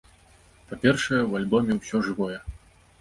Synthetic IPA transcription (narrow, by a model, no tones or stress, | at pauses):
papʲɛrʂɐjɛwalʲbɔmʲɛwsʲɔʐɨvɔjɛ